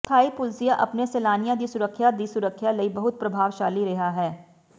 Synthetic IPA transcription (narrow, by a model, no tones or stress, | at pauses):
t̪ʰaːipʊlsijaʔɐpneseːlaːnijãd̪isʊɾəkʰːjad̪isʊɾəkʰːjalɐibɐɦʊt̪̚pɾɐbʱaːʋʃaːliɾɐɦaɦɛː